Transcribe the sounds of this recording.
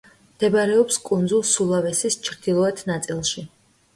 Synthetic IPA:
md̪̥ɛbaɾɛɔpskʼund̪zulˠsulˠavɛsist͡ʃʰɾd̪̥ilˠɔɛt̪ʰnat̪sʼilˠʃi

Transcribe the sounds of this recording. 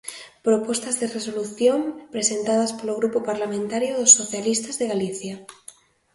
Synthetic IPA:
pɾopo̞st̪azðereso̞luθjo̞mpɾesẽ̞nt̪aðaspoloɣ̞ɾupopaɾlamẽnt̪aɾjoðosːoθjalist̪azðeɣaliθja

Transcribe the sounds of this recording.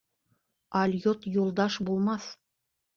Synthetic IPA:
ɑlʲjot̪julˠd̪ɑʃbulˠmɑθ

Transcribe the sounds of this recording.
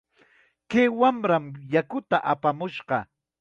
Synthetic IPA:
keːwamɾamjakʊt̪aʔapamʊʃɢɑ

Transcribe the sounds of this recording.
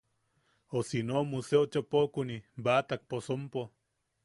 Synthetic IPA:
osinoːmuseot͡ʃapokunibat̪ak̚posompo

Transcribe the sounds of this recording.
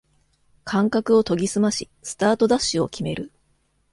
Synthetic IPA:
kʰãŋkakɯ̟o̞t̪o̞ɡʲisɨmaɕi | sɨ̥t̪aːt̪o̞d̪aɕːɨo̞kʲime̞ɾɯ̟

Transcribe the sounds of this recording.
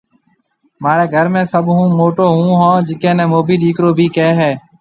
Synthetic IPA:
maːɾeːɡʱəɾmẽːsəɓɦũːmoːʈoːɦũːɦãːd͡ʒɪkẽːnɛ̃ːmoːbʱiːɗiːkɾoːbʱiːkeːɦɛː

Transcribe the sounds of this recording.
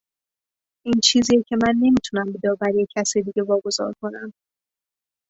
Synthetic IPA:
ʔiːnt͡ʃʰiːziːecʰe̞mænːe̞miːt̪ʰunæmbed̪ɒːbæɾjecʰːæsed̪iːɡe̞vɒːɡo̞zɒ̰ːɾkʰo̞næm

